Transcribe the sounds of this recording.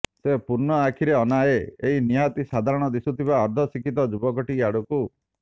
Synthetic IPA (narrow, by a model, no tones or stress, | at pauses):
sepuɾnɔakʰiɾeɔnaeeɦiniat̪isad̪ʱaɾɔɽ̃ɔd̪isut̪ʰibaɔɾd̪ʱɔsikit̪̬ɔd͡ʒubɔkɔʈiaɽuku